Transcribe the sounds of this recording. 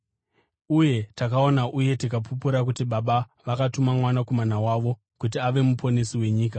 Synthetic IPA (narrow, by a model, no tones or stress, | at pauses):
uje̞takao̞naʔuje̞tikapup̬uɾak̬utiɓaɓa | ʋakatumamwanakomanawaːʋo̞ | kut̬iaʋe̞mupʰo̞nesiwe̞ɲiːk̬a